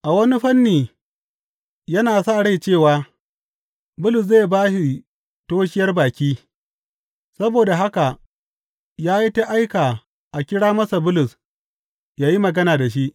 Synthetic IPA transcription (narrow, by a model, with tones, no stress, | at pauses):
ʔa˨wɐ˦ni˦ɸɐ˦nːiː˨ | jɐ˦naː˨sa˦˨ɽa˦˨jt͡ʃeː˦˨waː˦ | bʊ˦lʊ˨s̬zeː˦˨jbaː˦ʃi˨ | toː˦ʃɪ˦jɐ˦rbaː˨kʲiː˦ | sɐ˦boː˨da˨ɦa˦ka˨ | jaː˦ji˦ta˦ʔa˦jkaː˨ | ʔa˨kʲɪ˦ɽaː˦mɐ˦sa˨bʊ˦lʊ˨s | jaː˦ji˦mɐ˨ɡɐ˦naː˨da˨ʃ̬i˦ʔ